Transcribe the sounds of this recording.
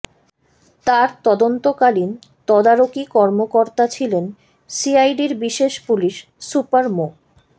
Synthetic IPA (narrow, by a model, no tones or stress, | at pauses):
t̪aɾt̪ɔd̪ont̪okalin | t̪ɔd̪aɾokikɔɾmokoɾt̪at͡ɕʰilen | siajɖiɾbiʃeʃpuliʃ | supaɾmo